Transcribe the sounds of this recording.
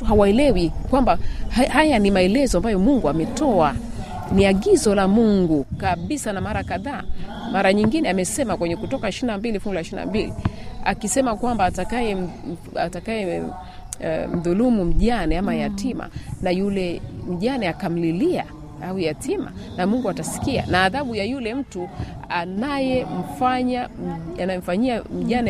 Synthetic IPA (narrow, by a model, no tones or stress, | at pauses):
tuɦawaɛlɛwikwambahajanimaɛlɛzɔambajɔmuŋɡuamɛtɔa | niaɠizɔlamuŋɡukaɓisanamaɾakaðaː | maɾaɲiŋɡinɛamɛsɛmakwɛɲɛkutɔkaɛʃiinambilifuɡulaʃina̰mbilḭa̰kisɛmakwambaːtakajɛ | a̰takajɛ̰ | m̩ðulumum̩ʄanɛamajatima̰najulɛm̩ʄanɛakam̩lilia̰ | aujatʰima̰namuŋɡuatasi̥kia̰naːðaɓujajulɛm̩tu | anajɛm̩faɲaanajɛm̩faɲiam̩ʄanɛ